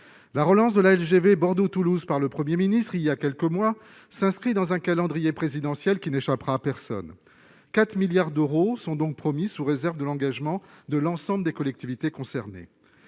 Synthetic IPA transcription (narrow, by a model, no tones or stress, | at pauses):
laʁəlɑ̃sd̪əlaɛlʒevebɔʁd̪ot̪uluzpaʁləpχəmjeminist̪χiljakʲɛlkəmwa | sɛ̃skχid̪ɑ̃zɛ̃kalɑ̃d̪ʁijepχezid̪ɑ̃sjɛlkʲineʃapʁaːpɛʁsɔ̰n | kat̪χmiljaʁd̪øʁosɔ̃d̪ɔ̃k̚pχɔmisuʁezɛʁvd̪əlɑ̃ɡaʒmɑ̃d̪əlɑ̃sɑ̃bləd̪ekɔlɛk̚t̪ivit̪ekɔ̃sɛʁnḛ